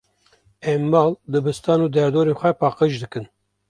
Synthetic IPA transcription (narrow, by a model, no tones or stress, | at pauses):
ɛmːɑːld̪ɨbɨst̪ɑːnuːd̪ɛɾd̪oːɾeːnxʷɛpɑːqəʒd̪ɨkɨn